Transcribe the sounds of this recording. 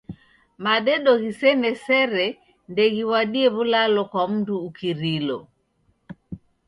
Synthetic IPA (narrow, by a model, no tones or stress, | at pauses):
maɗɛɗɔɣisɛnɛsɛɾɛ | ndɛɣiwaɗiɛβulalɔkwam̩tuːkiɾilɔ